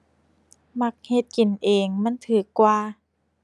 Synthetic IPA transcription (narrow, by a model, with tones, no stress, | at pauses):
ma˧˦k̚he˧˦t̪̚ki˨˩nʔeː˨˩ŋma˧˥˨nt̪ʰɯː˨˩˦kːwaː˧